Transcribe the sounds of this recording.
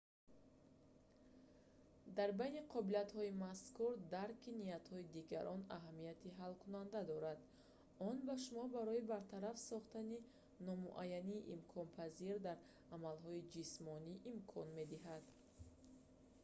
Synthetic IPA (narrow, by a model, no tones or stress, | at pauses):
d̪aɾbajniqʰɔbiliat̪hɔimaskuɾd̪aɾkʰiniat̪hɔid̪iɡa̰ɾʔɔna̰ɦamijat̪ʰiɦalkʰunand̪ad̪ɔɾad̪ | ɔnbaʃumɔbaɾɔibaɾt̪ʰaɾafsɔχt̪ani | nɔmṵʔajːaniːʔimkʰɔnpʰaziɾd̪aɾ | amalɦɔid͡ʒismɔniʔːmkʰɔnme̞d̪iɦad̪